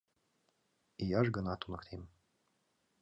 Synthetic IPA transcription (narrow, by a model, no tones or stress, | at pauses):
ijɑʒɡənɑt̪unɤ̆kt̪ʰem